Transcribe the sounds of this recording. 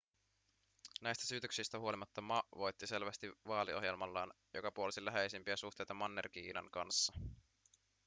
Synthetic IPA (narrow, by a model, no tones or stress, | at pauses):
næjst̪æ̥syːt̪øksist̪æhuo̞limɑt̪ːɑmɑʔʋo̞jt̪ːise̞lʋæst̪iʋɑːlio̞ɦje̞lmɑlːɑːn | jo̞̰kɑpuolisilæɦejsimpiæsuht̪e̞jt̪ɑmɑnːḛrk̟iːnɑ̰ŋkɑnsːɑ